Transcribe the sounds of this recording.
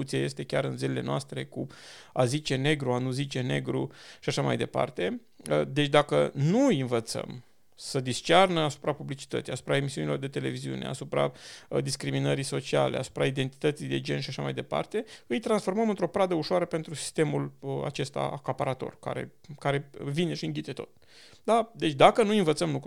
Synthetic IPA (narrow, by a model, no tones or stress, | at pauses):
ut̪siaje̞st̪e̞kʲaɾɨnzilile̞noast̪ɾe̞kuazit͡ʃe̞ne̞ɡɾuanuzit͡ʃe̞ne̞̰ɡɾuʃiaʃama̰jd̪e̞pa̰rt̪e̞ | d̪e̞t͡ʃʲd̪akənujɨnvət̪sə̰m | səd̪ist͡ʃarnəasu̥pɾapublit͡ʃi̥t̪ət̪sijasu̥pɾae̞misiunilo̞rd̪e̞t̪e̞le̞viziṵnea̰supɾa̰d̪iskɾiminəɾiso̞t͡ʃia̰lea̰su̥pɾaid̪e̞nt̪i̥t̪ət̪sijd̪e̞d͡ʒe̞nʃiaʃamajd̪epa̰rt̪e̞ɨjt̪ɾansfo̞rməmɨnt̪ɾo̞pɾad̪əuʃoaɾəpe̞nt̪ɾusi̥st̪e̞muləa̰t͡ʃe̞st̪a̰ʔakapaɾat̪o̞̰rka̰ɾe̞̰ | kaɾe̞vine̞ʃiɨŋɡʲkit̪e̞t̪o̞̰t̪̚ | d̪ad̪e̞t͡ʃʲd̪akənujinvət̪səmluk